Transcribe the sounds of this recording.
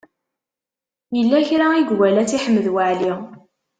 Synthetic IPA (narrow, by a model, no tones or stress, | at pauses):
jəlːæçɾaiɡwælæt͡siħəmːðwaʕli